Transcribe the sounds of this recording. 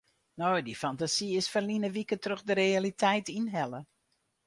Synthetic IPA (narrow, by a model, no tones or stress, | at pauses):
nojdifantasiɪsfərlinəʋikətrɵxdəɾealitɛjtinɦɛlə